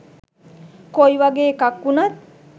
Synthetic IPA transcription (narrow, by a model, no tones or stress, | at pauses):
kojʋaɡeːkakːunat̪̚